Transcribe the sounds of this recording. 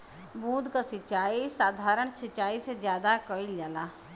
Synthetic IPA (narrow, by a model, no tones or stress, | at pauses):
bũːd̪kasɪt͡ʃaːisaːd̪ʱaːɾəɳsɪt͡ʃaːised͡ʒjaːd̪akəiljaːlaː